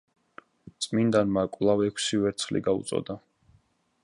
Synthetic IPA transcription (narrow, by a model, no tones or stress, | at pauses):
t̪sʼmind̪anmakʼwlˠavɛkʷʰsivɛɾt̪sʰlḭɡaṵt̪sʼɔ̰d̪a